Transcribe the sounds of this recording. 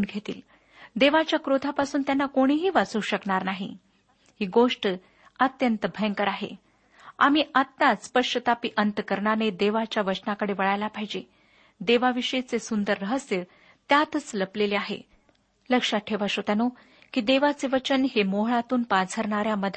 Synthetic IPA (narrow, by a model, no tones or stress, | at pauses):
nɡʱet̪ḭːl | d̪eʋat͡ɕjakɾot̪apasuːnt̪janːakoɽ̃iɦiːʋat͡suːɕəkɳaɾnaɦḭ | hiːɡoʂʈ | ət̪jənt̪əbʱəŋkəɾaɦḛ | a̰miət̪ːaspəʂət̪apiʔənt̪kəɾɳaned̪eʋat͡ɕjaʋət͡ɕnakəɽeʋəɭajlapaɦid͡ʑe | d̪eʋaʋiʂəjt͡sesund̪əɾːəɦəsjə | t̪jat̪ət͡sləpleleaɦḛ | ləkʂaʈʰeʋaʂot̪jano | kiːd̪eʋat͡seʋət͡ɕənɦemoɦɭat̪uːnpat͡sʰəɾɳaɾjaməd̪ʱ